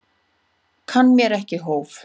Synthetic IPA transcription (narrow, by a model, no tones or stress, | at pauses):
kʰanːmjɛɾɛhcɪɦoːwv